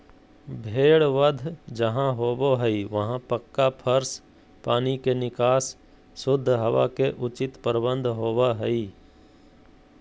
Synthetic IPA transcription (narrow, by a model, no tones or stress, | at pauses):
bʱeːɽʋəd̪ʱd͡ʒəɦãɦoːboɦɛiʋəɦãpəkːapʰəɾs | paːnikenɪkaːsː | ʊd̪ʱːɦəʋa̰keʔʊt͡ʃɪt̪pəɾbə̃nd̪ʱɦoːʋaɦɛiː